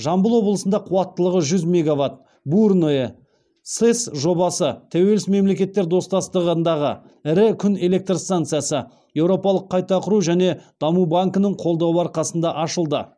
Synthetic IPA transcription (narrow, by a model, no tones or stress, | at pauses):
ʒɑmbəlˠwo̞blˠəsənd̪ɑqʰuɑt̪ːəlˠəʁəʒʏzmʲe̞ɡavat̪̚ | buɾnoje | t̪sesʒo̞bɑsət̪ʰæwe̞lɪsme̞mle̞kʲe̞t̪ːeɾd̪o̞st̪ɑst̪əʁnd̪ɑʁə | ɪɾɪkʲʰʏne̞le̞k̚t̪rst̪ant̪sɨjasə | je̞wɾo̞pɑlˠəqʰːɑjt̪ɑqʰʊɾuʒæne̞d̪̥ɑmubaŋkənəɴqʰo̞lˠd̪ɑwəɑɾqɑsənd̪ɑʔɑʃəlˠd̪ə